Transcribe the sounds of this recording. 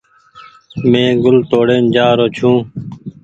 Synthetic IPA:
mẽːɡʊlt̪oːɽeːnd͡ʒaːɾoːt͡ʃʰũː

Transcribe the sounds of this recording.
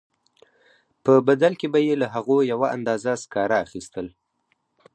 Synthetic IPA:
pəbad̪alkebajelaɦaɣojawaʔa̰nd̪ɑzaskɑɾaːxist̪əl

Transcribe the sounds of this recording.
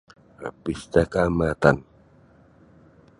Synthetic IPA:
a̰pist̪akamat̪an

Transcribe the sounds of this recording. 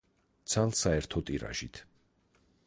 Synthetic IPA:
t̪sʰalˠsaɛɾt̪ʰɔt̪ʼiɾa̰ʒit̪ʰ

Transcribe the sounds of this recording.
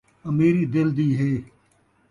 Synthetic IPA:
əmiːɾiːd̪ɪld̪iːɦeː

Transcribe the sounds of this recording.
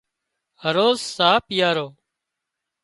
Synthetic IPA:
həɾoːzsaːpjaːɾoː

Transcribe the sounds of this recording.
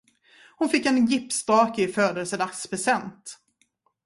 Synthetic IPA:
hʊnfɪkːɛnjɪpːst̪ɑːkɪføːd̪əlsəd̪akspʰɾɛsɛnt̪

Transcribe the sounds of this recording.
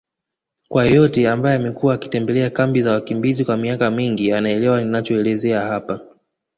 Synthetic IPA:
kwajɔtɛambajɛamɛkuwaːki̥tɛmbɛlɛakambizawakimbizikwamiakamiŋɡianaɛlɛwaninat͡ʃɔɛlɛzɛahapa

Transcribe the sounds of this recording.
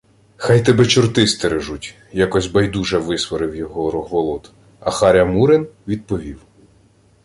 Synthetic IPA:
xɑjt̪ɛbɛt͡ʃʊrt̪ɪst̪eɾeʒutʲ | jakɔsʲbɐjd̪uʒɛʋɪsʋɔɾɪwjɔɦɔɾɔɦʋɔlˠɔt̪ | ɐxɑɾʲɐmuɾɪnʋʲid̪̚pɔʋʲiw

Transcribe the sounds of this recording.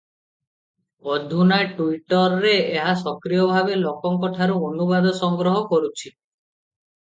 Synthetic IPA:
ɔd̪ʱunaʈuiʈɔɾɾeeɦasɔkɾijɔbʱabelɔkɔŋkɔʈʰaɾuonubad̪ɔsɔŋɡɾɔɦɔkɔɾut͡ʃʰi

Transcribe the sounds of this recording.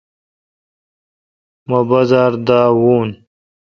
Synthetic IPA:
mɐbɐzaːɾd̪aːwuːn

